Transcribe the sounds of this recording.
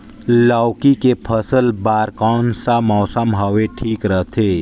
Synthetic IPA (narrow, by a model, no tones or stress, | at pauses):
laːwkikepʰəsəlbaːɾkɔːnsamɔːsəmɦɔʋeʈʰiːkɾəɦt̪ʰeː